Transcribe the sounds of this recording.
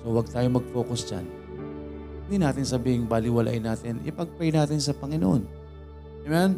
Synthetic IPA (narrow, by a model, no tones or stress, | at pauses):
sowɐɡ̚t̪aːjomɐɡ̚fo̞ːkʊsd͡ʒa̰n | hɪnd̪inaːt̪ɪnsɐbiːhɪŋbalɪwɐla̰ʔɪnaːt̪ɪnʔɪ̰pɐɡ̚pajnaːt̪ɪnsɐpɐŋɪno̰ʔon | ɛman